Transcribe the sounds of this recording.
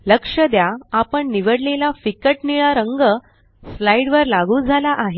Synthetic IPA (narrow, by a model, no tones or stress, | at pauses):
ləkʂəd̪jaːpəɳniʋəɽlelafikəʈniɭaɾəŋɡə | slaiɽʋəɾlaɡuːd͡zʱalaʔaɦe